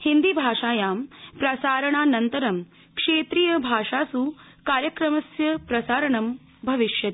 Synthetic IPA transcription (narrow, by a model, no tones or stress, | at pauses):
hind̪ibʱaːʂaːjaːmpɾɐsaːɾɐɳaːnɐnt̪ɐɾɐm | kʂeːt̪ɾijɐbʱaːʂaːsu | kaːɾjɐkɾɐmɐsjɐpɾɐsaːɾɐɳɐm | bʱɐʋiʃjɐt̪